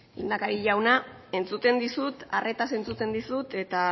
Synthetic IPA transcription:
ind̪akaɾiʎawna | e̞nt͡sut̪e̞nd̪isut̪are̞t̪ase̞nt͡sut̪e̞nd̪isut̪e̞t̪a

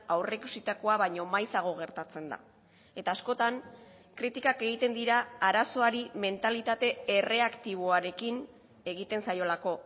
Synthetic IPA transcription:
awre̞kusit̪ako̞aβajɲo̞majsaɣ̞o̞ɣ̞e̞ɾt̪at͡se̞nd̪a̰ | e̞t̪aːsko̞t̪aŋ | kɾit̪ikake̞ɣ̞it̪e̞nd̪iɾaːɾaso̞aɾime̞nt̪alit̪at̪e̞ere̞akt̪iβ̞o̞aɾe̞kin | e̞ɣ̞it̪e̞nsajo̞lako̞

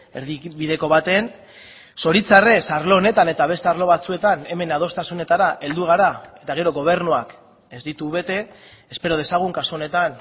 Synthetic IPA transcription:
eɾðiβiðe̞ko̞βat̪e̞n | so̞ɾit͡sare̞saɾlo̞ːne̞t̪ane̞t̪aβe̞st̪aɾlo̞βat͡sue̞t̪ane̞me̞nað̞o̞st̪asune̞t̪aɾaʔe̞ld̪uɣ̞aɾae̞t̪aɣ̞e̞ɾo̞ɣo̞β̞e̞ɾnuak | e̞zd̪it̪uβe̞t̪e̞ː | spe̞ɾo̞ð̞e̞saɣ̞uŋkasuo̞ne̞t̪an

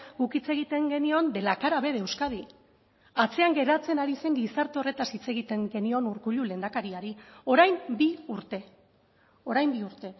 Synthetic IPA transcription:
ɡukit͡se̞ɣit̪e̞ŋɡe̞nio̞nd̪e̞lakaɾaβe̞ðe̞wskað̞i | at͡se̞aŋɡe̞ɾat͡se̞naɾise̞ŋɡisaɾt̪e̞o̞re̞t̪asit͡se̞ɣit̪e̞ŋɡe̞nio̞nuɾkuʎule̞ːnd̪akaɾiaɾio̞ɾajmbiuɾt̪e̞ | o̞ɾajmbiuɾt̪e̞

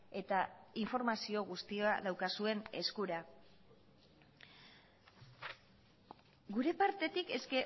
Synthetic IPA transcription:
e̞t̪aiɱfo̞ɾmasio̞ɣ̞ust̪ioaðawkasue̞ne̞skuɾa | ɡuɾe̞paɾt̪e̞t̪ike̞ske̞

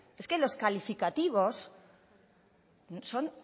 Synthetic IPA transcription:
e̞ske̞lo̞skalifikat̪iβ̞o̞s | nso̞n

